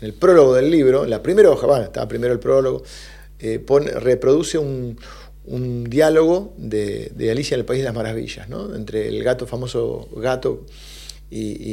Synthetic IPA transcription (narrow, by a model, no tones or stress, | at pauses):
nelpɾo̞lo̞ɣoðe̞lːiβɾo̞lapɾimeɾooxaβaet̪a̰βa̰pɾime̞ɾoelpɾoloɣo̰ | eponrepɾo̞ðuse̞un | und̪jalo̞ɣo̞ðḛðḛalisjaenelpaizðelaɦmaɾaβḭʒa̰zno̰ḛnt̪ɾḛːlɣat̪o̞famo̞so̰ɣat̪o | i